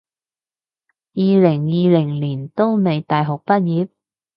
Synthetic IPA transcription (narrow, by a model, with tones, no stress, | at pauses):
jiː˨˧lɪ˨˩ŋjiː˨˧lɪ˨˩ŋliː˨˩nt̪o˥wme˨˧jt̪aː˨˧jɦʊ˨k̚pɐ˥t̚jiː˨˧˥p̚